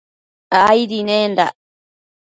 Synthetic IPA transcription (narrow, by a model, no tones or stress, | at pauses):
ajɾineːnda̰